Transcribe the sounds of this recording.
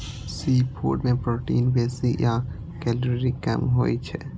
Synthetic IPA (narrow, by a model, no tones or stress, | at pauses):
siːpʰo̰ːʈmẽpɾoːʈḭːnʋɛːsija | kɛlɾɾikɐ̰mɦo̰ːit͡ʃʰɛ